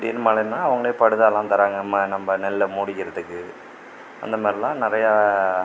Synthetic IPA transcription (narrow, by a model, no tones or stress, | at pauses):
ɐpɽɪ̰nːɯmaːlɪnːaːɐʋɐŋɡɐɭeːpɐɽɯðaːlãːt̪ɐɾaːŋɡɐmːɐnɐmbɐnɛlːɐmuːɽɪkːɪɾɐðɯkːɯ | ɐ̰nd̪ɐmaːɾɪlãːnɪɾɐja